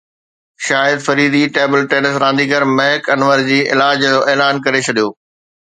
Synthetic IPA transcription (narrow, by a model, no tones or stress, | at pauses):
ʃaːjəd̪fɐɾiːd̪iʈeːbəlʈeːnəsɾãːnd̪iɡəɾmɐɦɪkɐnʋəɾd͡ʑiːʔɪlaːd͡ʑoːʔeːlaːnkɐɾet͡ɕʰɐɗijoː